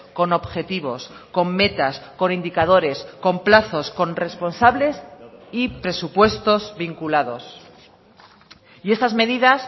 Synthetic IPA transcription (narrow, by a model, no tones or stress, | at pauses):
ko̞no̞βxe̞t̪iβ̞o̞sko̞mːe̞t̪asko̞nind̪ikaðo̞ɾe̞sko̞mplaθo̞sko̞nre̞spo̞nsaβle̞sipɾe̞supwe̞st̪o̞zβiŋkulaðo̞̰s | ie̞st̪azme̞ð̞iðas